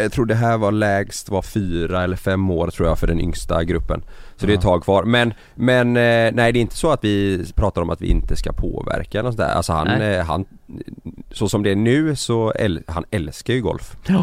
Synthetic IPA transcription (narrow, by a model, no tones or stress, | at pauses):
jɑt̪ʰɾuːɖɛɦæːɾvaɾɭɛːɡst̪vaɾfyːɾaɛlːəɾfɛmːoːɾt̪ʰɾuːɾjɑfœɖɛnʏ̰ŋst̪a̰ɡɾɵpːə̰nsɔd̪ɛtt̪ʰːɑːɡ̚kʰvɑːɾmɛn | mɛnnæɪd̪ɛɪnt̪ə̥sɔat̪vɪpʰɾɑːt̪aɾɔmat̪vɪ̰ʔɪ̰nt̪əskapʰo̰ːvæ̰ɾkaɛlnsɔnʰæ̰ːɾʔa̰lsɔha̰nɦa̰n | sɔsɔmd̪ɛːnʉ̟ːsɔɛ̰lhanɛlskaɾjɵɡɔ̰lf